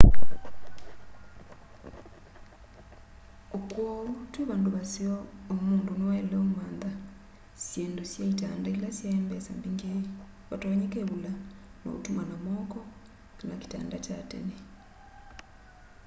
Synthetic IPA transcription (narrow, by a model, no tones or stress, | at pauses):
okwotweβaːndoβasiɔːmuːndonowaelɛomwaːnða | sjeːndosjaita̰ːndailasjaembɛsa̰mbiŋɡe | βatoɲekeβulana̰ṵtumanamɔkɔ | kanaki̥ta̰ːndacatḛne